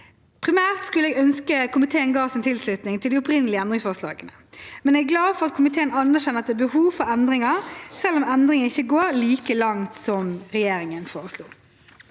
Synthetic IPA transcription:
pʰɾɪmæːʁt̪skʉləɛːɡœnskəkʰʊmɪt̪ʰeːənɡɑːsɪnt̪ʰɪlslʉt̪nɪŋt̪ʰɪld̪iʊpɾɪnːəlɪəɛnd̪ɾɪŋsfɔʁslɑ̰ːɡənəmɛnɛɡɡlɑːʋfɔʁɑt̪̚kʰʊmɪt̪ʰeːənɑnːæʁɕɛnːəɑt̪d̪ɛæːbəhuːʋfɔɾɛnd̪ʁɪŋɑsɛlːɔmɛnd̪ɾɪŋənɪçːəɡoːɾliːkəlɑŋt̪sɔmɾɛjeːɾɪŋənfoːʁəslṵː

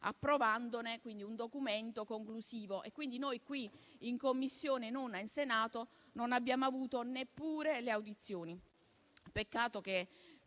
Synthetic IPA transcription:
a̰pːɾovand̪onekwind̪iund̪okument̪okoŋklusiːvoʔekːwind̪inojkwiːŋkomːisːjoːnenonainsenaːt̪o | nonabːjaːmoavuːt̪onepːuːɾeleawd̪it̪sːjoːni | pekːaːt̪ok̟e

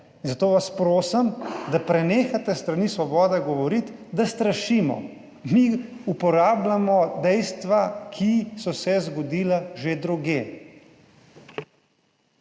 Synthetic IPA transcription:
inzat̪oːʋaspɾoːsɐmd̪apɾɛneːxat̪ɛst̪ɾanisʋɔbɔːd̪ɛɡɔʋɔɾit̪d̪ast̪ɾaʃiːmɔ̰ | mi | upɔɾaːblamɔd̪ɛjst̪ʋakʰisɔsɛzɡɔd̪iːlaʒed̪ɾuɡjeː

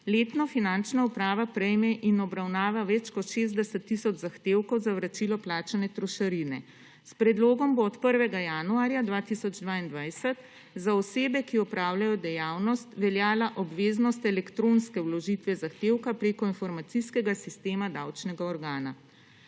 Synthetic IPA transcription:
leːt̪nɔfinant͡ʃnaupɾaːʋapɾɛjmɛʔinɔbɾawnaːʋaʋɛt͡ʃkɔt̪ʃeːzd̪ɛsɛt̪ːisɔd͡ʒzaxt̪eːwkɔwzawɾat͡ʃilɔplaːt͡ʃanɛt̪ɾɔʃaɾinɛ | spɾɛd̪loːɡɔmboːt̪pəɾʋɛɡajanuaːɾjad̪ʋaːt̪isɔd͡ʒd̪ʋaind̪ʋajsɛt̪ | zaɔseːbɛkiɔpɾaːwlʲjajɔd̪ɛjaːwnɔst̪ʋɛljaːlaʔɔbʋeːznɔst̪ɛlɛkt̪ɾonskɛwlɔʒit̪ʋɛzaxt̪eːwkapɾeːkɔinfɔɾmat̪siskɛɡasist̪eːmad̪awt͡ʃnɛɡaɔɾɡaːna

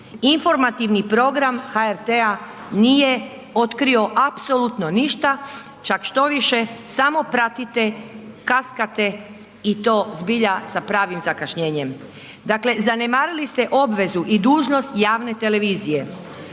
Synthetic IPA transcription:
info̞ɾmat̪iʋnipɾo̞ɡɾamhaeɾt̪ea | nije̞ | o̞t̪kɾio̞ʔapso̞lut̪no̞niʃt̪a | t͡ʃakʃt̪o̞ʋiʃe̞samo̞pɾat̪it̪e̞kaskat̪e̞ | it̪o̞ːzbiʎasapɾaːʋimzakaʃɲe̞ːɲe̞m | d̪akle̞zane̞maːɾilist̪e̞ʔo̞bʋe̞zuʔid̪uːʒno̞st̪jaːʋne̞t̪e̞le̞ʋiːzije̞

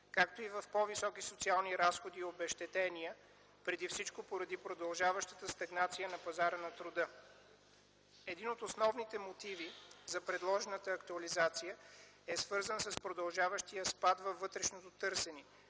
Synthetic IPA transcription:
kakt̪oivɐfpɔvisɔkisot̪sialˠniɾasxod̪iobɛʃt̪ɛt̪ɛniə | pɾɛd̪ifsit͡ʃkopoɾɐd̪ipɾod̪ɐlˠʒavəʃt̪ət̪əst̪ɐɡnat̪sijənɐpɐzaɾənɐt̪ɾod̪ɤ | ɛd̪inot̪osnɔvnit̪ɛmot̪ivizɐpɾɛd̪lˠɔʒɛnət̪əːkt̪uɐlizat̪sijə | ɛsv̥ɤɾzənsəspɾod̪ɐlˠʒavəʃt̪ijəspat̪vɐfːɤt̪ɾɛʃnot̪ot̪ɤɾsɛni

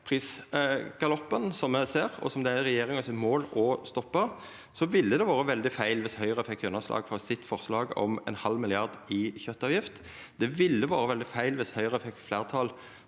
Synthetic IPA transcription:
pʰʁiːsɡ̥ɑlɔpːənsɔmːəseːʁɔ̰sɔmd̪ɛæʁɛjeːɾɪŋɑsɪt̪moːlɔst̪ɔpːə | sɔʋɪlːəd̪ɛʋɑːʁəʋɛld̪ɪfæɪlʋɪshœʏʁəɛfɛkːʉnːəslɑ̰ːɡfɔʁsɪt̪ːfɔʁslɑːɡɔ̰mɛ̰nhɑlmɪlɪɑʁd̪ɪçœt̪ːɑːʋjɪft̪ | d̪̥ɛʋɪlːəʋɑːɾəʋɛld̪ɪfæɪlʋɪshœʏʁəɛfɛkt̪flæːʁt̪ʰɑːl

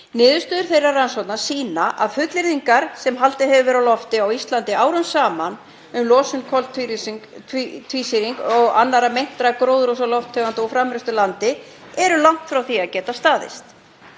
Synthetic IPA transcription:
nɪːðʏst̪ʏːðʏɾ̥θejraransɔwt̪nḁsiːnaʔaðfʏt̪lɪɾðiŋkaɾ̥sɛmɦalt̪ɪɦɛvʏvɛːɾawlɔft̪ɪawist̪lant̪ɪaːwɾʏmsaːman | ʏmlɔːsʏnkʰɔlt̪ʰiɾʰ | t̪ʰviːsiɾiŋkɔɣanːaɾamejn̥t̪ɾakɾoːwðɾos̬alɔft̪ʰœvant̪ʏɔfɾamɾɛst̪ʏlant̪ɪ | ɛɾʏlawŋ̥t̪fɾawθiaðcɛːt̪ast̪aːðɪ̰st̪

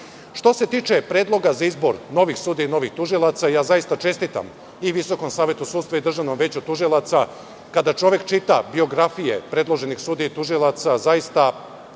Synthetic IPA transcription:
ʃt̪o̞se̞t̪iːt͡ʃe̞pɾeːd̪lˠo̞ɡazaizbo̞̰ɾno̞ʋixsuːd̪iino̞ʋixt̪uʒilˠat̪sajaːzaist̪at͡ʃe̞st̪it̪a̰m | iʋiso̞ko̞msaːʋje̞t̪usuːd̪sʋaid̪r̩ʒavno̞mʋe̞ːt͡ɕut̪uʒilˠat̪sa | kad̪at͡ʃo̞ʋjekt͡ʃit̪abio̞ɡɾafijḛpɾe̞d̪lˠo̞ʒe̞nixsuːd̪it̪uʒilˠat̪sazaist̪a

